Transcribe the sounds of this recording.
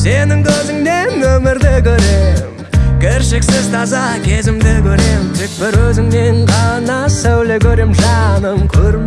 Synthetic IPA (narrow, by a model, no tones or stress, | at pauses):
se̞nɪŋkʲʰɵzɪŋd̪enɵmɪɾd̪ɪkʲʰɵɾe̞mm | kʲʰɪɾʃɪksɪzt̪ʰɑzɑkʲʰe̞zɪmd̪ɪkʲʰɵɾe̞mʃɪk̚bɪɾwɵzɪŋne̞ŋqʰɑnɑsæwlekʲʰɵɾe̞mʒɑnəmkʲʰɵɾɪm